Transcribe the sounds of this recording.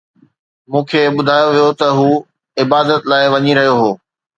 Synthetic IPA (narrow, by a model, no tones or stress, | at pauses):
mũːkʰeːɓʊd̪ʱaːjoʋijot̪ɐɦuː | ɪbaːd̪ət̪laːɪʋɐɲiɾɐɦijoɦoː